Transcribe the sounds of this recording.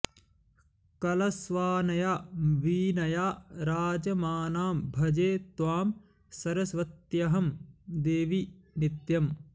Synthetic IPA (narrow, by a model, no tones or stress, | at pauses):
kɐlɐsʋaːnɐjaːʋiːnɐjaːɾaːd͡ʒɐmaːnaːmbʱɐd͡ʒeːt̪ʋaːm | sɐɾɐsʋɐt̪jɐɦɐmd̪eːʋinit̪jɐm